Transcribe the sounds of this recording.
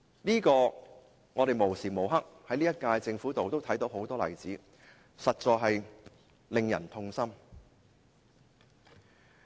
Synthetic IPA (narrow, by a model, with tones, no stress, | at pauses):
liː˥kɔː˧ | ŋɔː˨˧ɾe˨jmo˨˩wsiː˨˩mo˨˩wɦɐ˥k̚hɐ˨˥jliː˥jɐ˥t̚kaː˧jt͡sɪ˧ŋfuː˨˥t̪o˨wt̪o˥wt̪ʰɐ˨˥jt̪o˨˥who˨˥wt̪ɔː˥lɐ̰˨˩jt͡siː˨˥ | sɐ˨t̚t͡sɔː˧kɦɐ˨j | lɪ˨ŋjɐ̰˨˩nt̪ʰʊ˧ŋsɐ˥m